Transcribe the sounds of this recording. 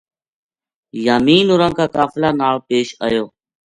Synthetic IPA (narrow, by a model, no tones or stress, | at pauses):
jaːmiːnʊːɾãːkaːkaːflaːnaːɭpeːʃə̰ːjoː